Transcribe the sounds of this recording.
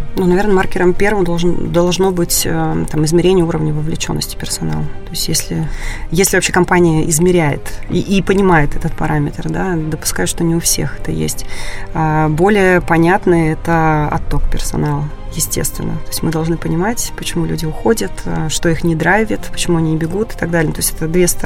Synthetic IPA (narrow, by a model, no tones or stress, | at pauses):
nunɐvʲe̞rnəmarkʲɪɾəmpʲe̞rvəmd̪ɐlˠʐnd̪ɐlˠʐno̞bɨtʲət̪amɨzmʲɪɾʲenʲɪjəuɾəvnʲəvəvlʲɪt͡ɕo̞̰nːə̰sʲtʲɪ̥pʲɪrsɐna̰lˠt̪o̞ɪsʲtʲjesʲlʲɪjesʲlʲɪvɐpɕːekɐmpanʲɪjəʔɪzmʲɪɾʲæjɪ̰t̪ḭʔːpənʲɪmajɪt̪ɛt̪ət̪̚pɐɾʔamʲɪt̪rd̪ad̪əpʊ̥skajʊʂt̪onʲɪʊfsʲe̞̰xɛ̥t̪ə̰jḛsʲtʲabo̞lʲɪjəpɐnʲat̪nɨɛt̪əɐ̰t̪ːo̞k̚pʲɪrsɐ̰nalˠ | jɪsʲtʲe̞̰st̪vʲɪ̰nːə̰t̪o̞ɪsʲtʲmɨd̪ɐlˠʐnɨpənʲɪmatʲpət͡ɕɪmulʲudʲɪʊxo̞dʲət̪əʂt̪o̞ixnʲɪd̪ɾavʲɪt̪pə̥t͡ɕɪmuɐnʲiɪbʲɪɡut̪ɨ̥t̪ɐɡd̪alʲɪət̪o̞ɪsʲtʲɛt̪əd̪vʲe̞st̪